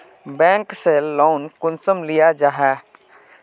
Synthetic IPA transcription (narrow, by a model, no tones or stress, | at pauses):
bɛ̃ːŋkseːlːoːnkʊnsəmlijad͡ʒaːɦɛː